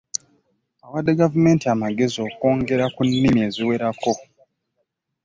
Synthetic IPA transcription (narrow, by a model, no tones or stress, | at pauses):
awadːeɡavume̞ːntiamaɡe̞zio̞ko̞ːŋɡe̞ɾakunːimie̞ːziwe̞ɾakʰo̞